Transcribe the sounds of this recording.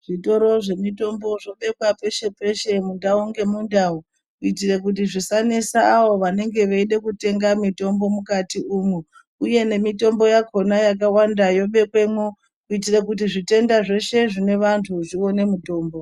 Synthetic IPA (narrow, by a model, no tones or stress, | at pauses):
ʐ̥ito̞ɾo̞ʐe̞mito̞mbo̞ʐo̞ɓe̞kwape̞ʃe̞pe̞ʃe̞mundaoŋɡe̞mundau | uitire̞kutiʐisanesaːʋo̞ʋane̞ŋɡe̞ʋeiɗe̞kute̞ŋɡamito̞mbo̞mukatiumu | uje̞ne̞mito̞mbo̞jako̞najak̬awandajo̞ɓe̞kwemo | uitire̞kut̬iʐite̞ndaʐe̞ʃe̞ʐine̞ʋantʰuʐio̞ne̞muto̞ːmbo̞